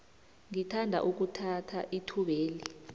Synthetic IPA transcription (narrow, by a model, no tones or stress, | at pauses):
ŋitʰandʱa̰ʔuk̬utʰatʰaʔitʰuɓeːli